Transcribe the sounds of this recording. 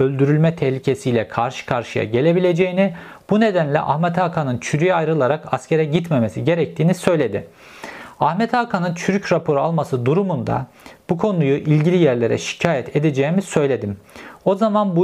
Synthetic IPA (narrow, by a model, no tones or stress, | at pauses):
ølʲd̪yɾylʲmɛt̪ʰɛçlʲicʰe̞sijlʲɛkʰaɾʃɯ̥kʰaɾʃɯja̰ɟe̞lʲe̞bilʲe̞d͡ʒe̞jini | b̥une̞d̪ænlʲɛ̰ʔa̰hmɛt̪ʰaːkʰanɯnt͡ʃʰyɾyjɛajɾɯlˠaɾakascʰe̞ɾɛɟit̪me̞me̞siɟe̞ɾɛc̚t̪ʰiːnisø̞jlʲe̞d̪ɪ | ahmɛt̪ʰaːkʰanɯnt͡ʃʰyɾycɾapʰo̞ɾualˠmasɯd̪uɾumund̪a̰ | b̥ukʰo̞nujuʔilʲɟilʲijæɾlʲe̞ɾɛ̰ʃi̥cʰaːjɛt̪ʰed̪ed͡ʒejimisø̞jlʲe̞d̪imo̞zamanbu